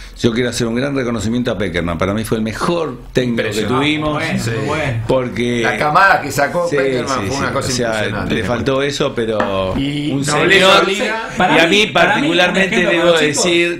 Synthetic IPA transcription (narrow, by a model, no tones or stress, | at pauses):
ʒ̥o̞k̬jeɾoaseɾuŋɡɾanreko̞nosimjent̪oapekeɾma̰mpaɾamifweːlmexoɾ | t̪eknikkoket̪uβimoswpoɾkelakamaðakesakosimsienakosoaiseasnã̰lefalt̪o̞esopeɾo | unseɲoɾ | iamipaɾt̪ikulaɾmẽnt̪eðeβoðesiɾ